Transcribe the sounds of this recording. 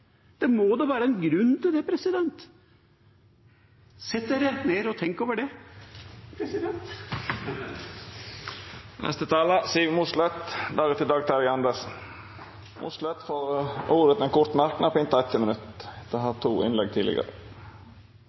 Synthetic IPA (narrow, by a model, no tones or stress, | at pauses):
d̪̥ɛmoːd̪ɛʋæːɾəɛnɡɾʉnːt̪ʰɪld̪ɛpʰɾɛsɪd̪ɛnt̪ | sɛt̪d̪eɾəneːɾɔt̪ʰɛŋkoːʋəɖɛ | pʰɾɛsɪd̪ɛnt̪ | nʔɛ̰st̪ət̪ʰɑːlɑsiːmuslœt̪d̪ɑːɡət̪ɪld̪ɑːɡt̪ʰɑɾɪɑnd̪əs | mʔṵslœt̪foːɾʔuːɾət̪ɛnkʰʊɾt̪mæɾʈn̩ɔpɪnt̪ɑɛt̪ʰːɪmənʉt̪d̪̥ɛɦɑt̪ʰuːɪ̰nlɛɡ̚t̪ʰiːɪ̰ɡə̰ɾə̰